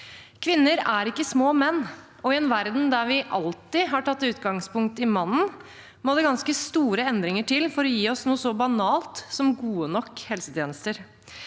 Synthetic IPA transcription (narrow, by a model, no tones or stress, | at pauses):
kʰʋɪnːəɾæɾɪkːəsmoːmɛnː | ɔɪɛnʋæɾd̪n̩d̪æɾʋɪʔɑlt̪ɪɦɑʈʰɑt̪ːɪʉːt̪̚ɡɑŋspʊŋk̚t̪ɪmɑnːn̩ | moːd̪ɛɡɑnskəst̪uːɾəɛnd̪ɾɪŋəʈʰɪlfɔɾɔjiːɔsnuːəsɔbɑnɑːlt̪sɔmɡuːənɔkːhɛlsət̪ʰjeːnəst̪əɾ